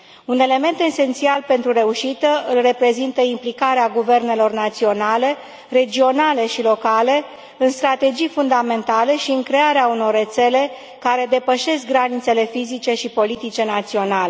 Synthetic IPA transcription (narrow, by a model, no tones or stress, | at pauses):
une̞le̞me̞nt̪e̞se̞nt̪sialpe̞nt̪ɾuɾe̞uʃit̪əɨlre̞pɾe̞zint̪əimplikaɾeaɡuve̞rne̞lo̞rnat̪sio̞nale̞ | re̞d͡ʒio̞nale̞ʃilo̞kale̞ | ɨnst̪ɾat̪e̞d͡ʒijfund̪ame̞nt̪ale̞ʃiɨŋkɾe̞aɾeauno̞rːe̞t̪se̞le̞ | kaɾe̞d̪e̞pəʃe̞skɡɾanit̪se̞le̞fizit͡ʃe̞ʃipo̞lit̪it͡ʃe̞nat̪sio̞nale